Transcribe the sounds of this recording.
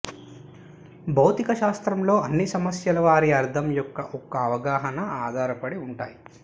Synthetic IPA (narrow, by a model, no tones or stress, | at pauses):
bʱɐwt̪ikɐʃaːst̪ɾɐmlo̞ːɐnːisɐmɐsjɐlɐʋaːɾiɐɾd̪ʰʱɐmjɔkːɐʔɔkːɐːʋɐɡaːɦɐnɐaːd̪ʱaːɾɐpɐɽiuɳʈaːji